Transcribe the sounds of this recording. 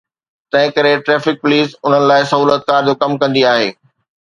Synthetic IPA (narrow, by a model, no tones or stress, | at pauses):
t̪ɐ̃ɦɪ̃kɐɾeʈɾɛːfɪk̚pʊliːsʊn̤ənɪ̆laːɪsɐɦuːlət̪̚kaːɾd͡ʑoːkɐmkɐ̃nd̪iaːɦḛː